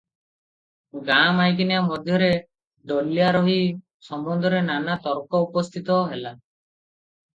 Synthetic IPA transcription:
ɡamajk̬injamɔd̪ʱjɔɾe | ɖɔljaɾɔɦi | sɔmbɔnd̪ʱɔɾenanat̪ɔɾkɔupɔst̪ʰit̪ɔɦela

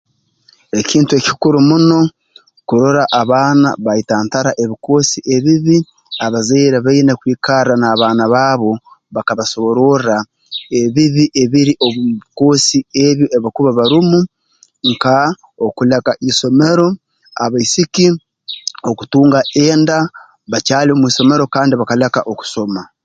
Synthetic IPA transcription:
e̞ciːntue̞ci̥kuɾumuno̞ | kuɾoɾaʔaβaːna̰βaitaːntaɾaʔe̞βiko̞ːsiʔe̞βiβi | aβazeːɾaβainekwiːkaranaːβaːnaβaːβo̞ | βakaβaso̞βoɾora | eβiβiʔe̞βiɾiʔoβuβiko̞sie̞βjoʔeβakuβaβaɾumu | ŋka | okulekaʔiso̞me̞ɾo̞ | aβaisiki | o̞ku̥tuːŋɡaʔeːnda | βacaːliomwiːso̞me̞ɾo̞kaːndiβakalekaʔoku̥so̞ma

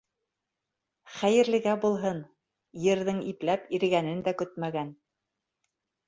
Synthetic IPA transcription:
χæjɘ̆ɾlɘ̆ɡæbulˠɦɤn | jɘ̆ɾðɘŋiplæpiɾ̆ɡænɘnd̪ækɵt̪mæɡæn

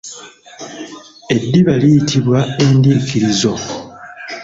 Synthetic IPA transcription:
e̞dːiβalijitʰiβwae̞ndiːkiɾizo̞

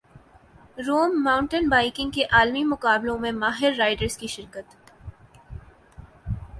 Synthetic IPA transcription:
ɾuːmːãːʊ̃ɳʈənbaːɪkɪ̃ŋɡ̚keʔaːlmimʊkaːblõmẽmaːɦɪɾːaːɪɖəɾzkiʃɪɾkət̪

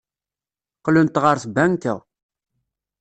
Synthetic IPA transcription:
qlunt̪ʁəɾsbænt̪æ̰

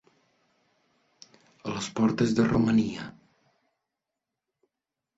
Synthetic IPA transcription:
ələspɔɾt̪əzðəruməniə

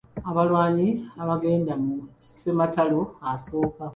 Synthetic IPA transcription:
aβalwaːɲiaβaɡe̞ːndamusematalo̞aso̞ːka

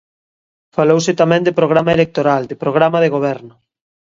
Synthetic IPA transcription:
falowset̪amɛ̃ŋd̪epɾoɣ̞ɾamaelek̚t̪oɾald̪epɾoɣɾamaðeɣ̞oβ̞ɛɾnʊ

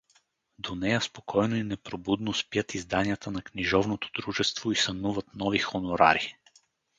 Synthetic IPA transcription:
d̪onɛjəspokʰɔjnoinɛpɾobud̪nospjət̪izd̪anijət̪ʰənɐkniʒɔvnot̪o̥d̪ɾuʒɛst̪voisɐnuvət̪nɔvixonoɾa̰ɾi

